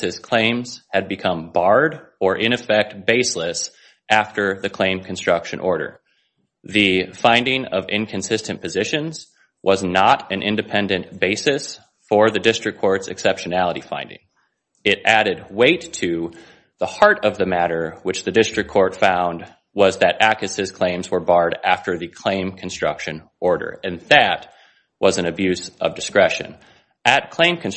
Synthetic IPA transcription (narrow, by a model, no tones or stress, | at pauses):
ɨz̥kʰl̥ẽɪ̃mz̥ɨd̚bɨkʰʌ̃mbɑɹɾə˞ʔɪ̃ñɨfɛk̚t̚b̥eɪsləs | ʔæftə˞ðɨkʰl̥ẽɪ̃mkʰɨ̃n̩stɹ̥ʌkʃɨ̰̃nʔɔɹɾə̰˞ | ðɨfãɪ̃ndɪ̃ŋʌ̰vɪ̰̃nkʰɨ̃nsɪstɨ̃npʰɨzɪʃɨ̃nz̥ | wʔʌznəɾɨ̃nʔɪ̃ndɨpʰɛ̃ndɨ̃nb̥eɪsɨs | fə˞ðɨdɪstɹ̥ɨkʰːɔɹtsɨksɛpʃɨnælˠəɾifã̰ɪ̃ndɪ̰̃ŋ | ɪɾʔæɾɨd̚weɪtʰɨ | ðəhɑɹɾʌvðɨmæɾə˞wɨt͡ʃðɨdɪstɹ̥ɨkʰɔɹtfãʊ̃nd | wʌzðɨɾʔækɨsɨz̥kʰl̥ẽɪ̃mzwə˞bɑɹɾæftə˞ðɨkʰl̥ẽɪ̃mkʰn̩stɹ̥ʌ̰kʃɨ̃n | ɔɹɾə̰˞ɨ̃nðɨt̚ | wʌzɨ̃nɨbjʉzʔʌ̰vdɨskɹɛʃɨ̰̃n | ʔɨd̚kʰl̥ẽɪ̃mkʰɨ̃n